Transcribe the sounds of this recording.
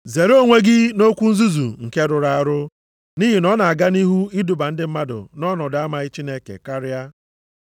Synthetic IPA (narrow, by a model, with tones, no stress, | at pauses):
ze˨ɾo˦ŋʷe˦ɡɪ˦no˦kʷu˦n̩˦zu˦zṵ˨ŋ̩˨ke˦ɾʊ˨ɾa˦a˦ɾʊ˦ | ni˦ɦi˨nɔ˦na˨a˨ɡa˦ni˦ɦu˦i˦du˨ba˨n̩˦dɪ˦m̩˦ma˦dʊ̰˨nɔ˦nɔ˨da˦ma˨i˦t͡ʃi˦ne˦kḛ˨ka˦ɾɪ˦a˦